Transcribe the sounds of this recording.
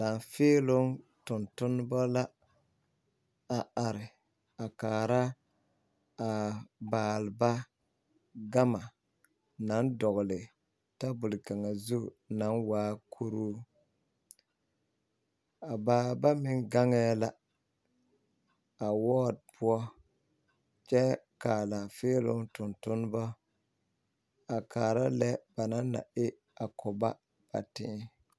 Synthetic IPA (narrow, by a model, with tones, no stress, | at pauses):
la˨nfɪː˦lʊ˦ŋ | tʊ˨ntʊ˦n˦bɔ˦la˦ | a˨a˨ɾɪ˨ | a˨kaː˨ɾa˦ | a˨baː˨lba˦ | ɡa˦ma˨ | na˨˦ndɔ˨ɣʊ˨lɪ˨ | ta˦bʊ˨lka˨ŋa˨zu˦˨na˨˦nwaː˦kʰu˦ɾu˦ | a˨baː˨ba˦mɪ˨ŋɡa˦ŋɛː˦la˦ | a˨wɔː˦˨d̚pʰʊ˦ɔ˦ | t͡ʃɛ˦kaː˨la˨feː˦lʊ˦ŋtʊ˨ntʊ˦n˦ba˦ | a˨kʰaː˨ɾa˦lɛ˦ba˨na˦nːa̰˨ɪ˦ | a˨kʰʊ˨ba˦ | ba̰˨tɪ˦